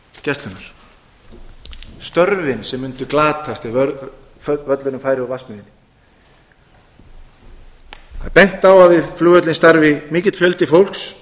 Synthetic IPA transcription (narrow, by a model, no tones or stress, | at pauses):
cɛst̪lʏnːaɾ̥ | st̪œɾvɪnsɛmːʏnt̪ʏklaːt̪ʰast̪ɪœ | vœt̪lʏnʏmfaːjɾɪɔvasmɪðɪnːɪ | a̰pɛjŋ̥t̪awavɪðfluːœt̪lɪnst̪aɾvɪmiːcɪt̪fjœlt̪ɪfowl̥ks